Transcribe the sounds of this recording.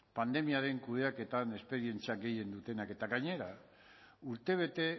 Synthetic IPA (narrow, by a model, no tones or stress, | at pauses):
pand̪e̞miaɾe̞ŋkuðe̞ake̞t̪ane̞spe̞ɾie̞nt͡siaɡe̞je̞nd̪ut̪e̞nake̞t̪aɣaɲe̞ɾa | uɾt̪e̞β̞e̞t̪e̞